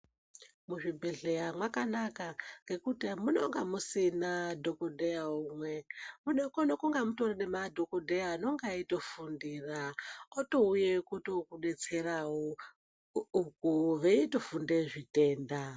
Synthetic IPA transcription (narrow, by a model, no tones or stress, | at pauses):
muʐibʱe̞ɮejamwakanakaŋɡe̞kutiamuno̰ŋɡamusinadʱo̞kodʱejaumwe̞munkonokoŋɡamutoranemadʱo̞kodʱejaːno̞ŋɡaito̞fundiːraoto̞ujekutokuɗe̞t͡se̞raɦo | uk̚uʋeito̞funde̞ʐite̞ːnda